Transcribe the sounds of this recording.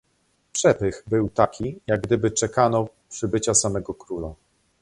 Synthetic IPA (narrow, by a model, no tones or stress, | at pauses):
pʂɛpɘxbɘwt̪akʲʰijaɡ̚ɡd̪ɘbɘt͡ʂɛkanɔ | pʂɘbɘt͡ɕasamɛɡɔkɾula̰